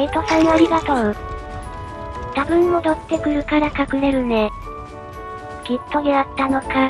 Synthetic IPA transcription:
et̪osãnoɾʲiɡat̪õɯ | t̪abɯ̟̃nːo̞d̪ot̪ːe̞kɯ̟ɾɯ̟kaɾakakɯ̟ɾe̞ɾɯ̟ne̞ | ɡ̥ʲit̪ːo̞ɡeat̪ːano̞ka

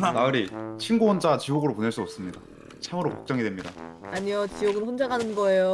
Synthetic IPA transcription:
naɯɾit͡ɕʰinɡuwʌnd͡ʑat͡ɕioɡɯɾopone̞ɭs͈uʌp̚s͈ɯmɲida̰ | t͡ɕʰamɯɾoko̥k̚t͡ɕ͈ʌŋidwe̞mɲidaaɲiot͡ɕijoɡɯnɸond͡ʑaɡanɯnɡʌe̞jo

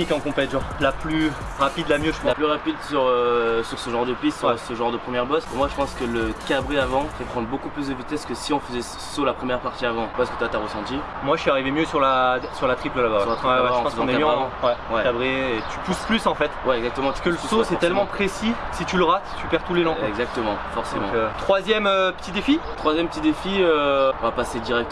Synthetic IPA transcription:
ikɑ̃kɔ̃pɛt̪ʒɔʁlaply | ʁapid̪lamjøʒəplaplyʁapid̪syʁøsyʁsəʒɑ̃ʁd̪əpist̪sʁsəʒɑ̃ʁd̪əpχəmjɛʁbɔskəmwaʒəpɑ̃skələkabʁeavɑ̃fɛpχɑ̃nd̪ʁbokuplys̬d̪əvit̪ɛskəsiɔ̃fəzɛsəsolapχəmjɛʁpaʁt̪iavɑ̃paɛskə̥t̪yat̪aʁəsɑ̃t̪i | mwaʃiaʁivemjøsyʁlasyʁlat̪χipləlabaat̪ɛawɛb̃tɑ̃əzɑ̃kaøavɑ̃wɛwɛkabʁeːt̪ʰy̥pusplysɑ̃fɛt̪wɛɛɡzakt̪əmɑ̃skələsosɛt̪ɛlmɑ̃pχesisit̪yləʁat̪t̪ypɛʁt̪ulelɑ̃ɛɡzak̚t̪əmɑ̃fɔʁsemɑ̃t̪χwazjɛmøpə̥t̪id̪efit̪χwazjɛmpət̪id̪efiøɔ̃vapased̪iʁɛk̚t̪ə

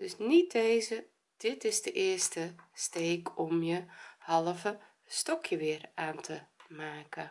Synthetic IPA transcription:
d̥øsnit̚deːzə | d̥ɪtɪzdəʔɪərstəsteːkʰɔmjəhɑlˠəvə | stɔkʰjəʋɪəraːntʰəmaːkə

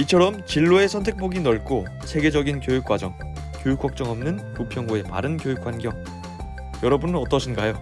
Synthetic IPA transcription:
it͡ɕʰʌɾʌmt͡ɕiɭːoe̞sʰʌntʰe̞k̚p͈oɡinʌɭk͈o | sʰe̞ɡe̞d͡ʑʌɡinkjojuk͈̚wad͡ʑʌŋ | kjojuk͈ʰːwak̚t͡ɕ͈ʌŋʌmnɯntupʰjʌŋɡoe̞ma̰ɾɯnkjojuk͈ʰwanɡjʌŋ | jʌɾʌbunnʌt͈ʌɕʰinɡajo

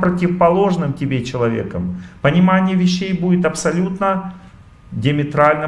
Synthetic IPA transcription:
pɾətʲɪvəpɐlˠo̞ʐnɨmtʲɪbʲet͡ɕɪlˠɐvʲḛkəmpənʲɪmanʲɪjəvʲɪɕːejbudʲɪt̪ɐpsɐlʲut̪nə | dʲɪəmʲɪt̪ɾalʲnə

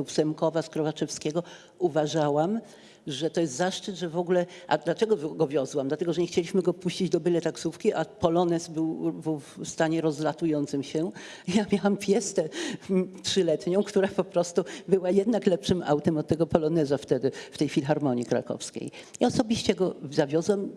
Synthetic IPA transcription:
fsɛmkɔvaskɾɔvat͡ʂɛfskʲɛɡɔ | uvaʐawam | ʐɛt̪ɔjɛst̪zaʂt͡ʂɘt̪ʐɛvɔɡulɛʔad̪lat͡ʂɛɡɔvɡɔvʲjɔzwamd̪lat̪ɛɡɔʐɛɲɛxt͡ɕelʲiɕmɘɡɔpuɕt͡ɕid͡ʑd̪ɔbɘlɛt̪aksufkʲiʔapɔlɔnɛsbɘwvfst̪aɲɛɾɔzlat̪ujɔnt̪sɘmɕɛ | jamʲjawampʲjɛst̪ɛ | tʂɘlɛt̪ɲɔ̃w̃kt̪uɾapɔpɾɔst̪ubɘwajɛd̪naklɛpʂɘmʔa̰wt̪ɛmɔt̪ːɛɡɔpɔlɔnɛzaft̪ɛd̪ɘft̪ɛjfʲilʲixaɾmɔɲikɾa̰kɔ̰fskʲḛjiɔsɔbʲiɕt͡ɕɛɡɔzavʲjɔzwam

